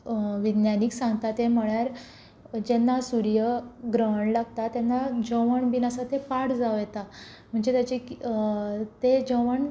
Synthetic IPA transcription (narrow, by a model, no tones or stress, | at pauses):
ʋid̪njaniksãŋɡt̪at̪em̤əɭjaɾ | d͡ʑenːasuɾjəɡɾəɦəɳlaɡt̪at̪enːad͡ʑəʋəɳbinasət̪epaɽd͡zaʋjɛt̪a | m̤əɳd͡zet̪jat͡ɕek | t̪ed͡ʑəʋəɳ